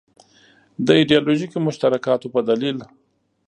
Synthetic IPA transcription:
d̪əiɖijɑloʒikimʊʃt̪aɾakɑt̪opəd̪alil

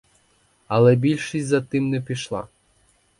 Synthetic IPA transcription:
ɐlˠɛbʲilʲʃisʲzɐt̪ɪmnɛpʲiʃlˠɑ̰

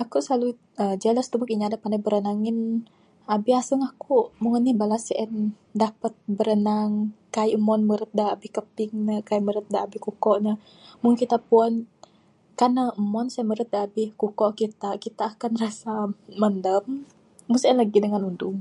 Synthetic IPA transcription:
akuʔsəlalu | əd͡ʒaləst̪əbukiɲaadapandajbəɾənaŋɪn | abɪhasəŋahkuʔmuŋənːihbalasʔɛn | dapət̪̚bəɾənaŋkajʔmɔnməɾət̪̚daabɪhkəpɪŋnəkaiməɾət̪̚daabɪhkukɔʔnə | muŋkit̪apuɔn | kanaʔəmɔnsaməɾət̪̚daːbɪhkukɔʔkit̪akit̪aːkanrasaməndəm | musɛnlaɡidəŋanunduŋ

